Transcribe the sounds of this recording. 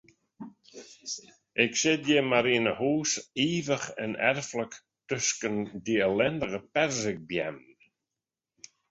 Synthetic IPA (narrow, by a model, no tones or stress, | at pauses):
ɛksɪd̪jɛmaɾiːnəhuːsiːvəχɛ̰nɛ̰ɾflək | t̪ʏskənd̪iəlɛnd̪əɣəpɛɾzɪɡ̚bjɛ̰mn